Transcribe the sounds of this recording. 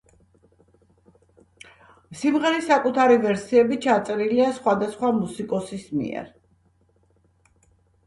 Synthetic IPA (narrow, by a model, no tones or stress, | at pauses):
simʁɛɾisakʼut̪ʰaɾivɛɾsiɛbit͡ʃʰat̪sʼɛɾiliasχwad̪asχwamusikʼɔsismḭɛ̰ɾ